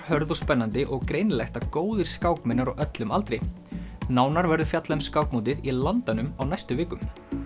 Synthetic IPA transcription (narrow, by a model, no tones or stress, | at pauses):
hœɾðɔspɛnːant̪ɪʔɔɣkɾejnlɛxt̪akoːwðɪɾ̥skaːwkmɪnaɾɔɣœt̪lʏmalt̪ɾɪj | naːwnaɾvɛɾðʏfjat̪lamskawk̚muːt̪̬ɪðilant̪anʏmawnajst̪ʏveːkʏm